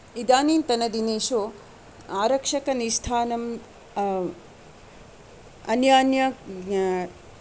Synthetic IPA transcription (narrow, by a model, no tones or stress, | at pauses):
id̪aːniːnt̪ɐnɐd̪ineːʃoː | aːɾɐkʂɐkɐnist̪ʰaːnɐm | ɐnjaːnjɐ